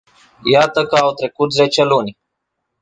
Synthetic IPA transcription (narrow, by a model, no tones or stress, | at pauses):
jat̪əkəawt̪ɾe̞kut̪ze̞t͡ʃelunʲ